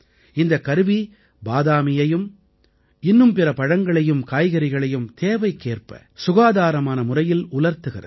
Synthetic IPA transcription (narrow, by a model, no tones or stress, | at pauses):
ɪnd̪ɐkːɐɾʋi | baːðaːmɪjɐjɯm | ɪnːɯmpɪrɐpɐɻɐŋɡɐɭɐjɯmkaːjɣɐɾɪɣɐɭɐjɯmt̪eːʋɐɪkːeːrpɐ̰ | sʊɣaːðaːɾɐmaːnɐmʊrɐjɪlʊlɐɾt̪ɯɣɪ̰rɐ̰